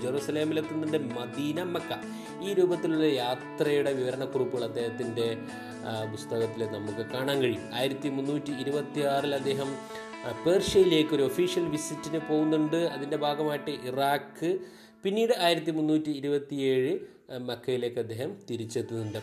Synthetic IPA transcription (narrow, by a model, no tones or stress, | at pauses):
d͡ʑeruːsɐle̞ːmilet̪ːunːuɳɖɨmɐd̪iːnɐmɐkːɐ | iːɾuːbɐt̪ːiluɭːɐjaːt̪rɐjuɽe̞ʋiʋɐɾɐɳɐkːurupːɣɭɐd̪ːe̞ːɦɐt̪ːinde̞ | pust̪ɐɣɐt̪ːilenɐmukːɨkaːɳaːŋɡɐɻijuma̰ːjiɾɐt̪ːimunːuːtːiːɾubɐt̪ːiaːrilɐd̪ːeːɦɐm | pe̞ːrʂɐjile̞ːkːo̞ɾuofiːʂijɐlʋisitːinɨpo̞ːɣunːuɳɖɨɐðinde̞bʱaːɡɐmaːjiʈːɨʔiraːkːɨ | pinːiːɽɨaːjiɾɐt̪̬ːimunːuːtːiːɾubɐt̪ːije̞ːɻɨ | mɐkːɐjile̞ːkːɨɐd̪ʱːe̞ːhɐmt̪iɾit͡ɕːet̪ːunuɳɖɨ